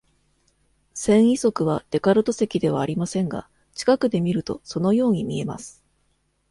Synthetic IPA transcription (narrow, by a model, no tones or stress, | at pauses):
sẽ̞ɰ̃iso̞kɯ̟β̞ad̪̥e̞kaɾɯ̟t̪o̞se̞kʲid̪e̞β̞aːɾʲimasẽ̞ŋɡa̰ | t͡ɕi̥kakɯ̟d̪e̞mʲiɾɯ̟t̪o̞̰so̞no̞jo̞ːɲ̟imʲie̞ma̰sɨ̥